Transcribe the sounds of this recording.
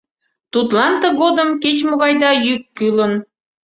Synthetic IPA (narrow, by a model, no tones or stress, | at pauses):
t̪ut̪lɑnt̪ə̆ɣod̪əmket͡ɕmoɣɑjd̪ɑjykːylən